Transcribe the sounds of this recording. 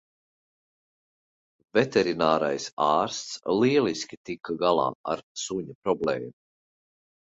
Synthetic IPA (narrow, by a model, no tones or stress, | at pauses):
vɛt̪eɾinaːɾa̰jsaːɾst̪sliɛliskʲit̪ikːaɡalˠɑ̰ːa̰ɾsuɲapɾɔblḛːmu